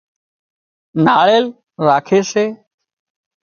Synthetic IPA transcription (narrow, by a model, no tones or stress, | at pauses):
naːɭeːl | ɾaːkʰeːseː